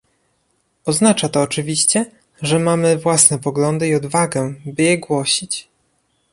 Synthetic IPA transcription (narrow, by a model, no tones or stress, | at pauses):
ɔznat͡ʂat̪ɔːt͡ʂɘvʲiɕt͡ɕɛ | ʐɛmamɘvwasnɛpɔɡlɔnd̪ɘiɔd̪vaɡɛbɘjɛɡwɔɕit͡ɕ